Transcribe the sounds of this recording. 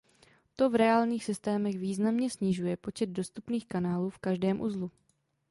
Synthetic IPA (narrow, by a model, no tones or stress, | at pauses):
t̪o̞vɾɛaːlɲiːxsɪst̪ɛːmɛɣviːznamɲɛsɲɪʒujɛpo̞t͡ʃɛd̪̚do̞st̪upniːxkanaːluːfkaʒdɛːmʔṵzlu